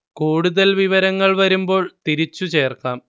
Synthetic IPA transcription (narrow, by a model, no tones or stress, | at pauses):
kuːɽuðɐlʋiʋɐɾɐŋːɐɭʋɐɾumbo̞ːɭt̪iɾit͡ɕːut͡ɕe̞ːrkaːm